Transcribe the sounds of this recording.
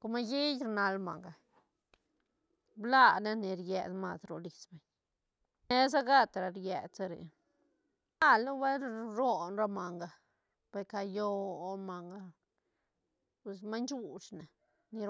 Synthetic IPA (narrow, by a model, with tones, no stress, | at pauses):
ko˧ma˧ji˦jɾna˧lma̰˨ŋɡa˨ | bla˦˧na˦ni˨ɾjḛ˧d̪ma˧sɾo̰˧li˨sbe˨ɲ | ne˧z̬a˦ɡa˦t̪ɾa˨ɾje˨d̪t͡sa˧ɾḛ˨ | a˦˨lnu˦we˦lɾo˦nɾa˧ma˨ŋɡa˧ | pe˧ka˧jo˧o˧ma˨ŋɡa˧ | pe˧s̬ma˦nt͡ʃu˧ʂna˨ | ni˧ɾ